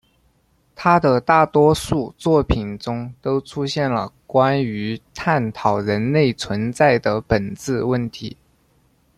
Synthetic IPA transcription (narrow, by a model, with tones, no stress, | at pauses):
t̪ʰa˥d̪ə˨t̪a˥˩t̪wɔ˥ʂu˥˧t͡swɔ˥˩pʰi˨˩nʈ͡ʂʊ˥ŋt̪o˥ʊʈ͡ʂʰu˥ɕjɛ˥˩nlə̰˩kwa˥ny˧˥t̪ʰa˥˩nt̪ʰɑ˨˩ʊɻə˧˥nle˥˩ɪt͡sʰwə˧˥nt͡sa˥˩ɪd̪ə˩pə˨˩nt͡sɹ̩˥˧wə˥˩nt̪ʰi˧˥